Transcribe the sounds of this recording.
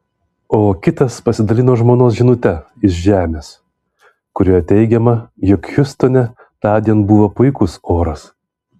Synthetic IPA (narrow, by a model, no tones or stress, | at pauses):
oːkʲɪt̪ɐspɐsʲɪd̪ɐlʲɪnoːʒmoːnoːsʒʲɪnʊt̪ʲɛ | ɪʃʒʲæːmʲeːs | kʊɾʲoːjɛt̪ʲɛɪɡʲɛmɐjɔkjʊst̪onʲɛ | t̪ɑːd̪ʲiɛnbuːʋɐpʊɪkʊsoːɾɐs